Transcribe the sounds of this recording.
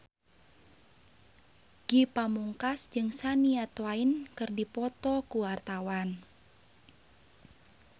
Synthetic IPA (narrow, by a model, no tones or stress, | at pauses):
ɡ̥ipamuŋkasd͡ʒɨŋsaniat̪wainkɨrdipɔt̪ɔkuwart̪awan